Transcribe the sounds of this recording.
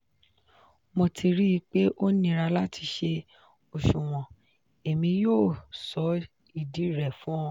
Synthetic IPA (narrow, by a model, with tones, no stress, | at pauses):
mõ˧tʰi˧ɾi˦i˧k͡pe˦ʔo˦nĩ˦ɾa˧la˦tʰi˧ʃe˧ | o˨ʃũ˨w̃ɔ̃˨ | e˨mĩ˧joː˦˨sɔ˨˦ | i˦˨di˨˦˨ɾɛ˨fũ˦ɔ̃˧